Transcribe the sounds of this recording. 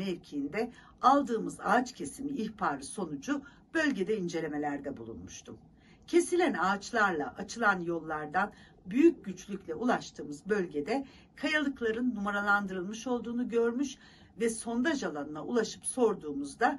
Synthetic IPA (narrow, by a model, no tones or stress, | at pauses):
eɾcʰiind̪ɛ | alˠd̪ɯːmɯza̰ːt͡ʃcʰe̞simiːçpʰaːɾɯso̞nud͡ʒu | b̥ø̞lʲɟe̞d̪ɛind͡ʒe̞lʲe̞me̞lʲæɾd̪ɛbulˠṵnmuʃt̪ʰṵm | cʰe̞silʲænaːt͡ʃlˠaɾlˠa̰ʔat͡ʃʰɯlˠanjo̞lˠːaɾd̪an | byjyc̚ɟyt͡ʃlʲyclʲɛʔulˠaʃt̪ʰɯːmɯzbø̞lʲɟe̞d̪ɛ | kʰajalˠɯklˠaɾɯnːumaɾalˠand̪ɯɾɯlˠmɯʃo̞lˠd̪uːnuɟø̞ɾmyʃ | vɛso̞nd̪aʒalˠanɯnaulˠaʃɯ̥pso̞ɾd̪uːmuzd̪a